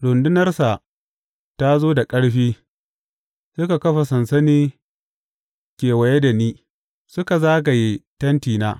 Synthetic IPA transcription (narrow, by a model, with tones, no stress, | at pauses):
ɽʊ˨ndʊ˦nɐ˦rsa˨ʔ | ta˦zoː˦da˨kʼɐ˦ɽɸiː˦ | sʊ˦ka˨kɐ˦ɸa˨sɐ˨nsɐ˦niː˦ | kʲeː˨wɐ˨je˦da˨niː˦ | sʊ˦ka˨zaː˦ɡ̬a˨ji˦tɐ˦ntiː˨naː˦